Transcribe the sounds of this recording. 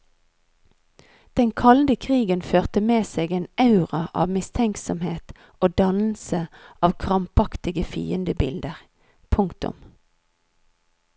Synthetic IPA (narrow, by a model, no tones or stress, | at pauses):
d̪̥ɛŋkʰɑld̪əkʰʁiːɡənføːʁt̪əmeːseːɡeːnɑʉʁɑʔɑ̰ːʋmɪst̪ʰɛŋksɔmheːt̪ | oːd̪ɑnl̩səʔɑːʋkʰʁɑmpɑkt̪ɪɡəfḭːənd̪əbɪ̰ld̪əʁ | pʰʊŋkt̪ʊ̰m